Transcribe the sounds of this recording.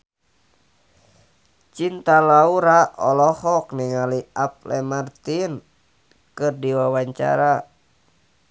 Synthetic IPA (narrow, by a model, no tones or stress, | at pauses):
t͡ʃint̪alauɾaʔɔ̰lɔhɔkniŋaliap̚lɛmart̪in | kɨrdiwawaɲt͡ʃa̰ɾa